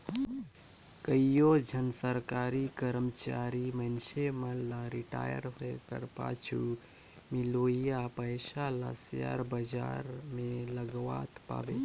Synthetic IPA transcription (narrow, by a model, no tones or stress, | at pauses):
kəijod͡ʒʱənəsəɾkaɾikəɾmət͡ʃaɾimənseməlaɾiʈa̰jə̰ɾɦoekə̰ɾpa̰t͡ʃʰu | miloijapəjsala̰sja̰ɾbəd͡ʒa̰ɾmeləɡʋa̰t̪pa̰be